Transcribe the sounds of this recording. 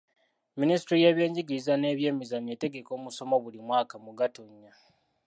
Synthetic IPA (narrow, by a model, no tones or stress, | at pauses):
ministɾije̞ːβje̞ːɲɟiɡizane̞ːβje̞ːmizaɲe̞te̞ɡe̞ko̞ːmuso̞mo̞βulimwaːkamuɡatoɲːa